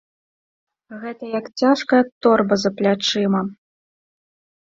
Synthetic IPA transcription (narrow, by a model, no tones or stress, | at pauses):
ɣɛt̪ɐjakt͡sʲaʂkɐjɐt̪ɔrbɐzɐplʲat͡ʂɨmɐ